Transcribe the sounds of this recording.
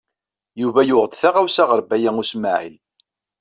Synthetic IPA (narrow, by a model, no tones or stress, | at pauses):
juvæjʊʁəd̪θaʁawsaʁəɾˤbæjæŋusmaʕḭl